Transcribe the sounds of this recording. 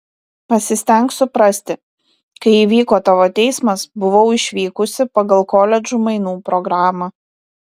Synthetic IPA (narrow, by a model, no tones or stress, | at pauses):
pɐsʲɪsʲt̪ʲɛŋˑksʊpɾɐsʲt̪ʲɪ | kɐɪiːʋʲiːkoːt̪ɐʋoːt̪ʲɛɪsmɐsbʊʋɐʊɪʃʲʋʲiːkʊsʲɪpɐɡɐlˠkoːlʲɛd͡ʒʲuːmɐɪnuːpɾɔɡɾaːmɐ